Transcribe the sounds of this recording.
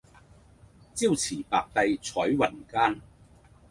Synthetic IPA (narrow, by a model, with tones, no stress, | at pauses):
t͡siː˥˧wt͡sʰiː˨˩pa̰ː˨k̚t̪ɐ˧jt͡sʰɔː˨˥jwɐ˨˩nkaː˥n